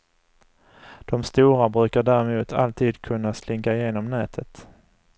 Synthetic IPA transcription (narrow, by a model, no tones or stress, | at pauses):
d̪̥ɔmst̪uːɾabɾʉ̟ːkaɖæɾɛmuːt̪ʰa̰lt̪ʰiːd̪kʰɵnːaslɪŋkaɪjeːnɔmnɛːt̪ʰət̪